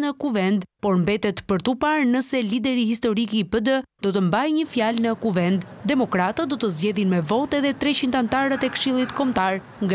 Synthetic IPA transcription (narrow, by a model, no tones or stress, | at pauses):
nəkuvɛnd̪pɔɾmbɛt̪ɛt̪pəɾt̪upaɾnəsɛlid̪ɛɾiɦis̬t̪ɔɾikipəd̪əd̪ɔt̪əmbajɲəfjalnəkuvɛnd̪d̪ɛmɔkɾat̪ad̪ɔt̪əzd͡ʑɛðinmɛvɔt̪ɛðɛt̪ɾɛt͡ɕint̪ant̪aɾət̪ɛkʃilˠit̪kɔmt̪aɾ | ŋɡa